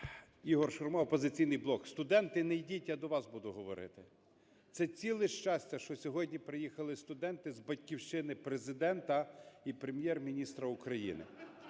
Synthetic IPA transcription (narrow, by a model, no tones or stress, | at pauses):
iɦɔrʃʊrmɔɔpɔzɪt͡sʲijnɪjblˠɔkst̪ʊd̪ɛnt̪ɪnejdʲitʲjad̪ɔʋɑsbud̪ʊɦɔʋɔɾɪ̰t̪ɪ | t̪sɛt͡sʲilˠɪʃt͡ʃɑsʲtʲɐʃt͡ʃɔsʲɔɦɔdʲnʲipɾɪjixɐlˠɪst̪ʊd̪ɛnt̪ɪzbɐtʲkʲiwʃt͡ʃɪnɪpɾezɪd̪ɛnt̪ɐipɾemʲjɛrmʲinʲist̪ɾɐʊkɾɐjḭnɪ̰